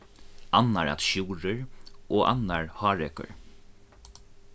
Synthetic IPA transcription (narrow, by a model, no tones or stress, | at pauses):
anːaɹa̰t̪ʃuːɾəɹoːʔa̰nːaɹhɑːɹɛkə̰ɹ